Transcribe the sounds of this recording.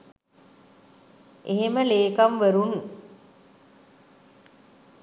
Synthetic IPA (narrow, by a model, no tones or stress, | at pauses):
ʔeɦeməleːkamʋəɾun